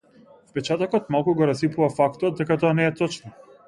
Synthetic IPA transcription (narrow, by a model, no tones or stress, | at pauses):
fpɛt͡ʃat̪ɔkɔt̪malˠkuɡɔɾasipuvafakt̪ɔt̪̚d̪ɛkat̪ɔanɛːt̪ɔt͡ʃnɔ